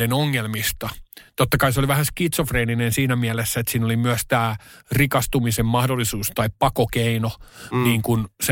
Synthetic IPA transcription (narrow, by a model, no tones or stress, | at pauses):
enoŋːelmist̪ɑt̪ot̪ːɑkɑiseoliʋæhæskit̪sofreːninensiːnæmiælesːæet̪siːnolimyæst̪æːrikɑst̪umisemmɑhdolːˑisuːst̪ɑippɑkokeinoniːŋkuns